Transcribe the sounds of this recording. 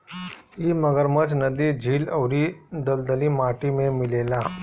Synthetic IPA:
iːməɡəɾmət͡ʃnəd̪id͡ʒʱiːləwɾid̪əld̪əlimaːʈimẽmɪleːlaː

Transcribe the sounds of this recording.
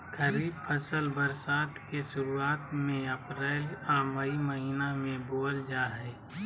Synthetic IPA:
kəɾiːbpʰəsəlbəɾsaːt̪ʰkeʃʊɾuaːt̪mẽəpɾɛːlaːʋəiməɦinamẽboːld͡ʒaːɦɛ

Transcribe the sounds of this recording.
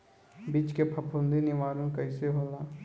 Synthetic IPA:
bit͡ʃkepʰɐpʰʊ̃nd̪inɪʋaːɾõkəɪseɦoːlaː

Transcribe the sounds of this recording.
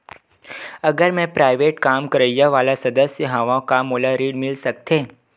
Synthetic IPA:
ɐɡəɾmɛ̃pɾaːɪʋeːʈkaːmkəɾəjaʋaːlasɐd̪əsjəɦaʋãkamoːlaɾiːɽmɪlsɐkt̪ʰẽː

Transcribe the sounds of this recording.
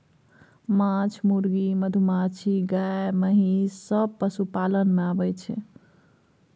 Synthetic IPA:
mat͡ʃʰmuɾɡiməd̪ʱumat͡ʃʰiɡaeməɦisəb̚pəsupalənmeabəjt͡ʃʰɛ̰

